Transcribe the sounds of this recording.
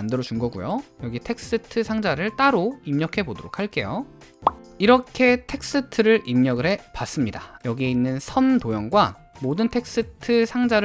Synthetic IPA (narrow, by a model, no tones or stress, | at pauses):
andɯɾʌt͡ɕunɡʌɡujojʌɡitʰe̞k̚s͈ɯtʰɯsʰaŋd͡ʑaɾɯɭt͈aɾoimɲʌkʰe̞bodoɾokʰaɭk͈e̞jo | iɾʌkʰe̞tʰe̞k̚s͈ɯtʰɯɾɯɾʔimɲʌɡɯɾɦe̞pas͈ɯmɲidajʌɡie̞inːɯnsʰʌntojʌŋɡwa | modɯntʰe̞k̚s͈ɯtʰɯsʰaŋd͡ʑaɾ